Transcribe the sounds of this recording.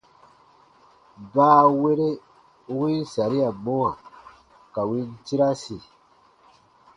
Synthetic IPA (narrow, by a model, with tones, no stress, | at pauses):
baː˦we˦ɾe˦ | wĩ˦n˦sa˨ɾi˦a˨mo˦wa˨ | ka˨wĩ˦n˦ti˦ɾa˦si˨